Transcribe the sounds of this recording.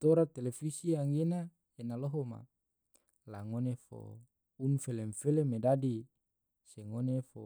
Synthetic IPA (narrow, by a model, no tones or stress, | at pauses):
t̪oɾat̪elefisiaŋɡena | enaloɦoma̰ | laŋonefo̰ | unfeleɱfelemedadi | seŋonefo